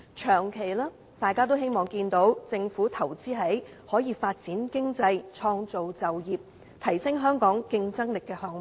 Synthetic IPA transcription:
t͡ʃʰœː˨˩ŋkʰe˨˩jlaː˥ | t̪aː˨jkaː˥t̪o˥whe˥jmɔː˨˩ŋkiː˧nt̪o˨˥wt͡sɪ˧ŋfuː˨˥t̪ʰɐ˨˩wt͡siː˥ɦɐ˨˥j | hɔː˨˥jiː˨˧faː˧t̚t͡siː˨˥nkɪ˥ŋt͡sɐ˧jt͡ʃʰɔː˧ŋt͡so˨wt͡sɐ˨wjiː˨p̚ | t̪ʰɐ˨˩jsɪ˥ŋɦœː˥ŋkɔː˨˥ŋkɪ˧ŋt͡sɐ˥ŋlɪ˨kːɛː˧hɔː˧ŋ˨

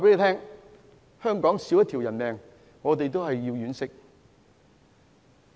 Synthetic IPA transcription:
aː˨˩pe˨˥le˨˧˥t̪ʰɛː˥ŋ | hœː˥ŋkɔː˨˥ŋsi˨˥wjɐ˥t̪ʰi˨˩wjɐ˨˩nmɛː˨ŋ | ŋɔː˨˧t̪e˨jt̪o˥whɐ˨jːiː˧wjyː˨˥nsɪ˥k̚

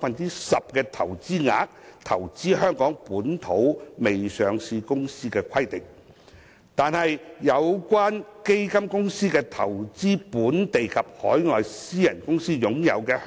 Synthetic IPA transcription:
fɐ˨nt͡si˥sɐ˨p̚kɛː˧t̪ʰɐ˨˩wt͡siː˥ŋa̰ː˨˥k̚t̪ʰɐ˨˩wt͡siː˥hœː˥ŋkɔː˨˥ŋpuː˨˥nt̪ʰo˨˥wme˨jsœː˨˧ŋsiː˧kʊ˥ŋsiː˥kɛː˧kʰɐ˥jt̪ɪ˨k̚ | t̪aː˨nhɐ˨jjɐ˨˧wkwaː˥nke˥jkɐ˥mkʊ˥ŋsiː˥kɛː˧t̪ʰɐ˨˩wt͡siː˥puː˨˥nt̪e˨jkʰɐ˨p̚hɔ̰ː˨˥jŋɔː˨jsiː˥jɐ˨˩nkʊ˥ŋsiː˥jʊ˨˥ŋjɐ̰˨˧wkɛː˧

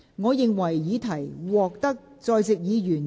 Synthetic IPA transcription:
ŋɔː˨˧jɪ˨ŋwɐ˨˩jːiː˨˧˥t̪ʰɐ˨˩jwɔː˨k̚t̪ɐ˥k̚t͡sɔː˧jt͡sɪ˨k̚jiː˨˧jyː˨˩n

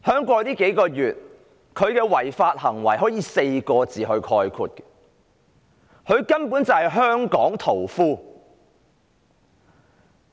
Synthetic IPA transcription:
hœː˥ŋkʷɔː˧t̪iː˥ke˨˥jkɔː˧jyː˨t̚ | kʰɵ˨˧ɥkɛː˧wɐ˨˩jfaː˧t̚hɐ˨˩ŋwɐ̰˨˩jɦɔː˨˥jiː˨˧se˧jkɔː˧t͡siː˨˩ɦɵ˧ɥkʰɔː˧jkʰṵː˧t̚kɛ̥˧ | hɵ˨˧ɥkɐ˥npu˨˥nt͡sɐ˨˩hɐ˨jɦœː˥ŋkɔː˨˥ŋt̪ʰo˨˩wfuː˥

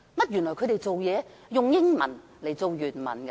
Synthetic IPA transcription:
mɐ˥t̚jy˨˩nlɔː˨˩jkʰɵ˧˥t̪e˨jt͡so˨wjɛː˨˧jʊ˨ŋjɪ˥ŋmɐ̰˨˩n | le˨˩jt͡so˨wjyː˨˩nmɐ̰˨˩nkɛ˧

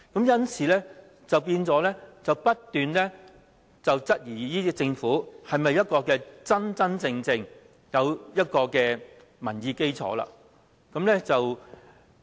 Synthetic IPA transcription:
kɐ˨˥mjɐ˥nsʰiː˨˩lɛː˥ | t͡sɐ˨wpiː˧nt͡sɔː˨˥lɛ˥t͡sɐ˨wpɐ˥t̚t̪yː˨nlɛː˥ | t͡sɐ˨wt͡sɐ˥t̚jiː˨˩jiː˥it͡sɪ˧ŋfuː˨˥hɐ˨jmɐ˨jːɐ˥t̚kɔː˧kɛː˧t͡sɐ˥nt͡sɐ˥nt͡sɪ˧ŋt͡sɪ˧ŋ | jɐ˨˧wjɐ˥t̚kɔː˧kɛː˧ | mɐ˨˩njiː˨˧ke˥jt͡sʰɔ̰ː˨˥la̰ː˧ | kɐ˨˥mlɛː˥t͡sɐ˨w

